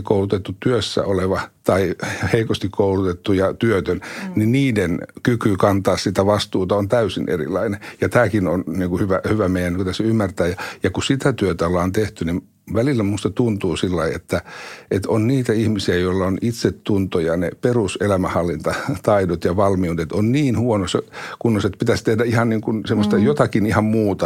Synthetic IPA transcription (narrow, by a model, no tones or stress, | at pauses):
koulut̪et̪ːutt̪yøsːæ̰oleʋɑt̪ɑiheikost̪ikkʰoulut̪et̪ːujɑt̪yøt̪ønniniːdenkykykɑnt̪ɑːssit̪æʋɑst̪uːt̪ɑont̪æysḭnʔḛrḭlɑ̰inejɑt̪æːkinonniːŋkuhyʋæhyʋæmeijænːiŋkut̪æsymːært̪æːjɑjɑkusit̪æt̪yøt̪æolːɑːnt̪eht̪ynim | ʋælilːæmust̪ɑt̪unt̪uːsilːɑiḛt̪ːæet̪onniːt̪æihmisiæjoilːɑonit̪set̪tunt̪ojɑneperuselæmæhɑlːint̪ɑt̪ɑidot̪jɑʋɑlmiud̪et̪onniːnhuonosekunːoset̪pit̪æst̪ehdæihɑnniːŋkunsemːost̪ɑjot̪ɑkinihɑmmuːt̪ɑ